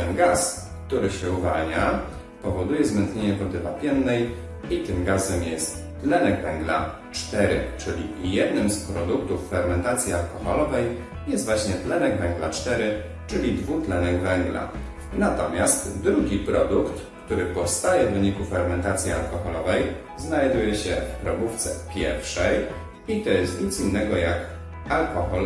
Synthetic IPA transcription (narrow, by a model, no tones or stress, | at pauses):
ɛnɡas | kt̪uɾɘɕɛuvalɲa | pɔvɔd̪ujɛzmɛnt̪ɲeɲɛvɔd̪ɘvapʲjɛnːɛj | it̪ɘmɡazɛmjɛst̪ːlɛnɛɡvɛŋɡla̰ | t͡ʂt̪ɛɾɘ̰t͡ʂɘlʲijɛd̪nɘmspɾɔd̪ukt̪ufːɛɾmɛnt̪at̪sʲjialkɔxɔlɔvɛj | jɛst̪vwaɕɲɛt̪lɛnɛɡvɛŋɡla̰t͡ʂt̪ɛɾɘ | t͡ʂɘlʲid̪vut̪lɛnɛɡvɛŋɡla̰ | nat̪ɔmʲjast̪d̪ɾuɡʲipɾɔd̪ukt̪ | kt̪uɾɘpɔfst̪ajɛvːɘɲikufɛɾmɛnt̪at̪sʲjia̰lkɔxɔlɔvɛj | znajd̪ujɛɕɛ̰fpɾɔbuft̪sɛ̰pʲjɛɾfʂɛj | it̪ɔjɛst̪ɲʲit̪sinːɛɡɔjak | alkɔxɔl